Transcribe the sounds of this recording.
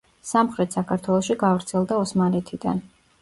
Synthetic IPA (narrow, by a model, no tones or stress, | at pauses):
samχɾɛt̪sakʰaɾt̪ʰwɛlˠɔʃiɡavɾt̪sʰɛlˠd̪aɔsmaɾɛt̪ʰid̪a̰n